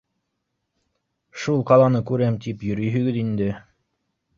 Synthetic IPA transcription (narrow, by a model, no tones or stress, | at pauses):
ʃulˠqɑlˠɑnɤkʉɾæmt̪ipjɵ̆ɾɵ̆jɦɵ̆ɡɘðind̪ɘ